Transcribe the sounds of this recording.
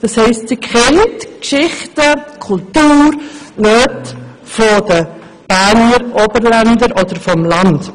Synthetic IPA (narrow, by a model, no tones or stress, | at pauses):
d̥ɑshɛɪstsikχɛntkʃɪχtəkʰʊltuːɾ | nøt | fodə | b̥æɾnəɾʔobəɾlændəɾʔɔdəɾfɔmlɑnt